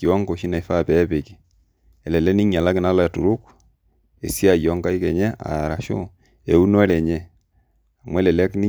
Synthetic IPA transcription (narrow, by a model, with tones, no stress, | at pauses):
ki˨wɔ˦ŋko˨ʃi˦na˨i˨˦fa˦˨pɛ˨˦pe˨ki˨ | ɛ˨lɛ˨lɛ˦ni˦ɲa˨la˦kɪ˦na˦lɔ˦a˨tu˨ɾu˦k | ḛ˨si˦a˦˨jɔ˨˦ŋka˦i˦kɛ˨ɲɛ˦a̰˨ɾa˨ʃo̰˦ | e˨u˦nɔ˦ɛ˦lɛ˨ɲɛ˦ | a˨mwɛ˦lɛ˨lɛ˦kni˦